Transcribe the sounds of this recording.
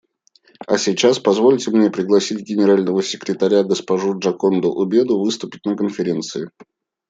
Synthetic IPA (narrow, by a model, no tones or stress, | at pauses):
ɐ̰sʲit͡ɕaspɐzvo̞lʲtʲɪmnʲe̞pɾʲɪɡlˠɐsʲitʲɡʲɪnʲɪɾalʲnəvəsʲɪ̥kɾʲɪt̪ɐɾʲaɡəspɐʐuʐɐkond̪ʊʔʊbʲe̞d̪ʊvɨst̪ʊpʲɪtʲnəkənfʲɪɾʲe̞nt̪sɨɪ